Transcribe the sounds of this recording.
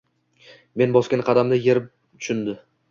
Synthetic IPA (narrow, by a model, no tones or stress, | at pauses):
me̞nbɒskʲanqʰɑd̪amd̪ɪjeɾɪp̚ | t̪ʰʊ̥ʃʊnd̪ɪ